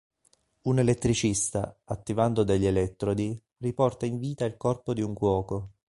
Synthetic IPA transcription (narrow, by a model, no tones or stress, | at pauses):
unelet̪ːɾit͡ʃist̪a̰at̪ːivand̪od̪eʎːelɛt̪ːɾod̪i | ripɔrt̪aiɱviːt̪ailkɔrpod̪iuŋkwɔːko